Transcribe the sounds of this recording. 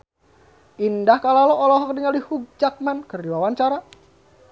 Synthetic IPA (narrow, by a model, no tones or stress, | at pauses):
ʔindahkalalɔɔlɔɦɔk̚diŋalihuɡ̚d͡ʒat̪̚mankərdiwawaɲt͡ʃaɾa